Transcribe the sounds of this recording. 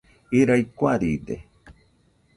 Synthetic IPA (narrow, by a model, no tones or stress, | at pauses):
iɾajkʷaɾid̪ḛ